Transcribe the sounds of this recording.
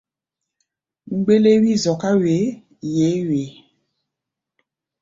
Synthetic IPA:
ŋ͡mu˨ɡ͡be˦le˦wi˦zɔ˨ka˦we˨˦ | je˨˦ɥe˨˦

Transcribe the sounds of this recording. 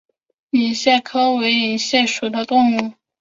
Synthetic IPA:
i˨˩ɕjɛ˥˩kʰɤ˥we˧˥ɪi˨˧˨ɕjɛ˥˩ʂu˨˩d̪ə˧t̪ʊ˥˧ŋu˥˩

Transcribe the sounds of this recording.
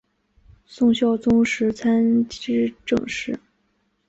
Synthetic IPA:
sʊ˥˧ŋɕjɑ˥˩ʊt͡sʊ˥ŋʂɻ̩˧˥t͡sʰa˥nɻ̩˥ʈ͡ʂɤ̰˥˧ŋʂɻ̩˥˩

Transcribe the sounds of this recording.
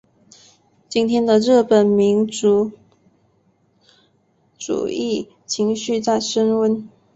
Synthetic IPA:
t͡ɕi˥nt̪ʰjɛ˥nd̪ə˨ɻɤ˥˩pə˨˩nmi˧˥nt͡su˨˧˥ | ʈ͡ʂṵ˨˩i˥˩ | t͡ɕʰi˧˥ŋɕy˥˧t͡sa˥˩ɪʂə˥nwə˥n

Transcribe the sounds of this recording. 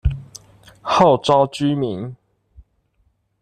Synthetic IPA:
ha˥˨ʊʈ͡ʂɑ˦ʊt͡ɕy˦mi˨˦n

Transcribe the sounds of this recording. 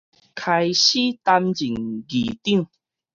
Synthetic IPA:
kʰa˧jɕi˦t̪a˧md͡ʑi˨˩ŋɡḭ˨˩t̪i˥˨ŋ

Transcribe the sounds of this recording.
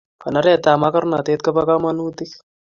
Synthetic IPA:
ka˨na˦ɾɛ˦t̪a˨ma˦kɐ˦ɾna˨t̪e˦t̪̚ka˦pa˦ka˦ma˦nuː˦t̪i˦k

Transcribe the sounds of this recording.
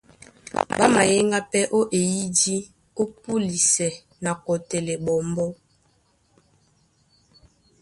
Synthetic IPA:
ba˦ma˨je˦ŋɡa˦pɛ˦ʔo˦ʔe˨ji˦di˦ | o˦pu˦li˨sɛ˨ | na˨kɔ˨tɛ˨le˨bɔ˨mbɔ˦

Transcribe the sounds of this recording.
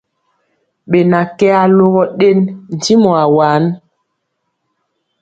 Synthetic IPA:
ɓe˨na˨kɛ˦a˨lo˦ɣɔ˦ɗe˦nn̩˨ti˦mɔ˨a˨wa˨˦n

